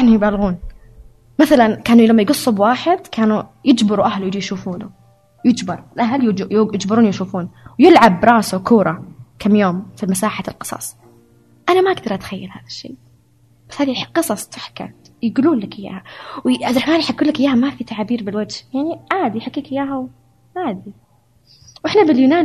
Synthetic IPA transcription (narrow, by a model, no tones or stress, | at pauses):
anʊjbaːlɣuːn | maθalankaːnulamːajɡʊsˤːubwaːħɪd̪kʰaːnujɪd͡ʒbɪɾuʔahlujjʃuːfuːnu | jɪd͡ʒbɑɾˤɪlʔaɦljjjɪd͡ʒbɪɾuːnjʃuːfuːnwjɪlʕabɾˤɑːsukuːɾˤɑkʰamːjoːmfimasaːħalqɨ̥sˤɑ̰sˤ | ʔanamaʔaɡd̪ɑɾˤʔat̪xajːalha̰ːðaʃːḛː | b̥ḁshaːðiħqɨsˤɑsˤt̪ɪħka̰ | jɪɡuːluːnlakʔɪjːa̰ːhawʔaɾˤɑħmaːnjħakːuːlakɪjaːhamafit̪aʕaːbiːɾbɪlwad͡ʒhjaʕniʕaːd̪iħakːiːkʔɪjːaːɦaw | ʕaːd̪i | wʔɪħnabɪljʊnaːn